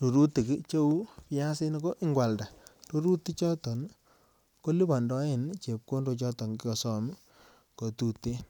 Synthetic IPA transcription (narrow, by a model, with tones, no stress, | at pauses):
tu˨ɾu˦ti˨ki˦t͡ʃo˦wpja˦sɪ˦n˦ko˦ʔɪ˦ŋɡwa˨lda˨tu˦ɾu˦ti˦t͡ʃɔ˦tɔ˨n | ko˦li˦ba˨ndɔ˦e˦˨nt͡ʃe˨p̚ko˦ndo˨˧t͡ʃɔ˦tɔ˨ŋki˦ɔ˨sɔ˨m | ko˨tu˨te˦